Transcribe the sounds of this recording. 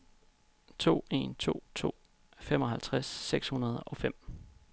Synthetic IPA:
t͡sʰo̝̰ːe̝̰nt͡sʰo̝̰ːt͡sʰo̝̰ː | fem̰ɒ̽ɦælt͡sʰʁasːeɡ̥shunɐð̞ˠɒ̽fem̰

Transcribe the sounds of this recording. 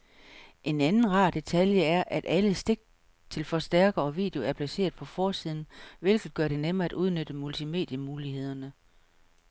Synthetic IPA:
ʔe̝nænn̩ʁɑ̰̈ːd̥e̝t͡sʰæljəæɐʔæd̥ʔæləsd̥e̝ɡ̥̚ | t͡sʰe̝lfɒ̽sd̥æɐɡ̥ɐɒ̽ʋḭːd̥e̝oæɐpʰlæse̝̰ːɐð̞ˠpʰɒ̽fɒːsið̞ˠn̩ʋe̝lɡ̥ð̩ˠɡ̥ɶɐɾ̥e̝nemɐːæd̥ʔuð̞ˠnød̥əmult͡sʰime̝̰ːd̥jəmuːlihe̝ð̞̰ˠɐnə

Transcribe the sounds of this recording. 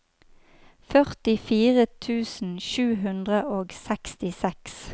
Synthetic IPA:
fœʁt̪ɪfiːʁət̪ʰʉːsn̩ʃʉːɦʉnd̪ʁəʔoːɡsɛkst̪ɪsɛks

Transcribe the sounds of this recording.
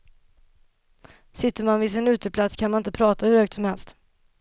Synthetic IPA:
sɪt̪ːəɾmanvɪsɪnʉ̟ːt̪əpʰlat̪skʰanmanɪnt̪əpʰɾɑːt̪ahɵɾhœːkt̪sɔmhɛlst̪

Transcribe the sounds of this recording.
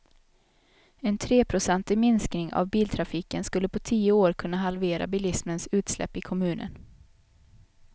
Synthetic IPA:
ɛnt̪ʰɾeːpʰɾʊsɛnt̪ɪmɪnsknɪŋa̰vbiːlt̪ʰɾafiːkənskɵlːəpʰɔt̪ʰiːʊoːɾkʰɵnːaɦalveːɾʔa̰bɪːlɪsmənsʉ̟ːt̪slɛ̰pːɪkʰɔmʉ̟ːnʔə̰n

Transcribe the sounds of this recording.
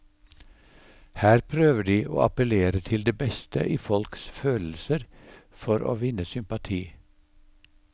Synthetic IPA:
hæːɾpʰɾøːʋəɖiːʔo̰ːɑpəleːɾət̪ʰɪld̪eːbɛst̪ə̰ʔiːfɔlksføːll̩səɾfɔɾʔo̰ːʋɪnəsʏmpɑt̪ʰiː

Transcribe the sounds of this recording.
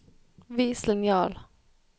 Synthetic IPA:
viːslnjɑːl

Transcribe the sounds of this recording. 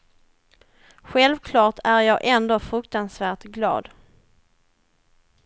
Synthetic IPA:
ɧɛlvkʰlɑːʈʰæɾjɑːɡʔɛnd̪oːfɾɵkt̪ansvæːʈɡlɑ̰ːd̪

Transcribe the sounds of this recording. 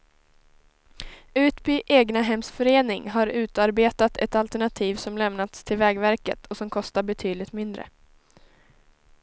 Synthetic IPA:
ʉ̟ːt̪byːʔeːɡnaɦɛmsfœɾeːnɪŋɦaɾʉ̟ːt̪aɾbeːt̪at̪ʰɛ̰t̪alt̪æɳat̪ʰiːvsɔmlɛmnat̪st̪ʰɪlvɛːɡvæɾkə̰t̪ʰɔsɔmkʰɔst̪aɾbɛt̪ʰyːd̪lɪɡt̪mɪnd̪ɾə̰

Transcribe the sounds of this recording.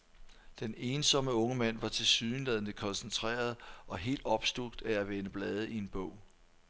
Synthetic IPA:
d̥ene̝ːnsɒ̽məɔ̽ŋəmæn̰ʋɑ̈t͡sʰe̝lsyːnlɛðˠənəkʰɒ̽nsənt͡sʰʁɛ̰ːɐð̞ˠʔɒ̽ɦe̝̰ːld̥ɒ̽b̥sd̥uɡ̥̚d̥ææʋenəb̥lɛːð̞ˠəie̝nb̥ɔ̽ʊ̰

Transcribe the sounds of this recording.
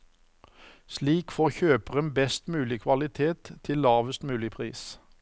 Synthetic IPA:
sliːkfoːçøːpəʁənbɛst̪mʉːlɪkʰʋɑlɪt̪ʰeːt̪ʰːɪllːɑːʋəst̪mʉːlɪpʰʁḭːs

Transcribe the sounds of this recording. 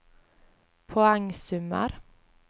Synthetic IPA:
pʰoːæŋsʉmə̰ɾ

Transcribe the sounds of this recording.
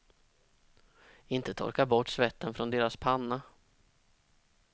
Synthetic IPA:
ɪnt̪ət̪ʰɔ̰ɾkaɾbɔʈːsvɛt̪ːənfɾɔnd̪eːɾaspʰanːa

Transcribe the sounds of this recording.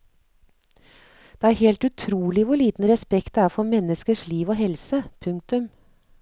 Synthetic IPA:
d̪̥eːæːɾheːlt̪ʉt̪ʰɾuːlɪʋʊɭiːt̪n̩ɾɛspɛkt̪æːɾfɔɾmɛnəskəʂliːʋoːɦɛlsəpʰʉŋk̚t̪ʉm

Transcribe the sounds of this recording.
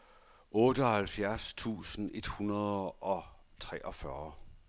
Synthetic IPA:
ɔ̽ːd̥əɒ̽hælfjæɐst͡sʰṵːsən̩ʔe̝d̥hunɐð̞ˠʔɒ̽ | t͡sʰʁɛ̰ːʔɒ̽fɶɐ

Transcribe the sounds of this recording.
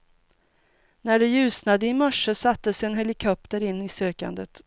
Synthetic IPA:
næɖɛjʉ̟ːsnad̪əɪmœʂːəsat̪ːəsɛnɦɛlɪkʰɔp̚t̪əɾɪnːɪsøːka̰nd̪ət̪

